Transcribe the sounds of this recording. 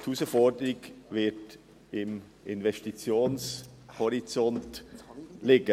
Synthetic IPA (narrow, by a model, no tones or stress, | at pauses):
tʰuːsəfɔdəɾɪɡvɪt | ɪm | ʔɪnvɛstit͡sjoːnshɔɾit͡sɔnt | lɪɡə